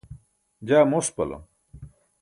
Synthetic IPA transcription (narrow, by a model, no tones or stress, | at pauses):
d͡ʑaːmospɐ̰lɐ̰